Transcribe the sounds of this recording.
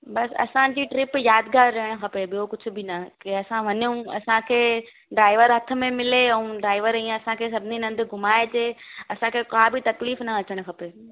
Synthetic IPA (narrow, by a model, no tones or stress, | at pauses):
bɐsɐ̰sãd͡ʑiːʈɾɪpjaːd̪ɡaːɾːɐɦɪɽ̃ʊ̆xɐpebɪjokʊd͡ʑʱʊ̆bɪnɐkiɐsãʋɐɲjũɐ̰sãkʰeː | ɖɾaːɪʋəɾɦɐt̪ʰə̆mẽmɪleɛ̃ũɖɾaːɪʋəɾiẽɐsãkʰeːs̬ɐbʱɪninɐ̃nd̪ɡʱʊmaːed͡ʑeːɐsãkʰekaːbɪt̪ɐkliːfnɐɐt͡ɕəɽ̃xɐpe